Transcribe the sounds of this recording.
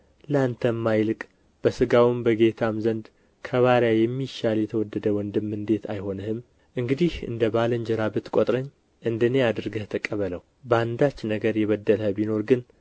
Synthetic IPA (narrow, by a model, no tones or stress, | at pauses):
ləant̪ʰəmːajlɨkʼ | b̥əsɨɡawɨmbəɡe̞t̪ʰamzənd̪ | kʰəβaɾjajɛmːiʃaljɛt̪ʰəwɔd̪ːəd̪əwɔnd̪ɨmːɨnd̪e̞t̪ʰajho̞nəhɨm | ʔɨŋɡɨd̪ihɨ̰nd̪əbaləɲd͡ʒɛɾabɨt̪kʷʼot̪ʼɾəɲː | ʔɨnd̪ənead̪ɨɾɡəht̪ʰəkʼəβələw | bəand̪at͡ʃːnəɡəɾjɛβəd̪ːələbino̞ɾɡɨn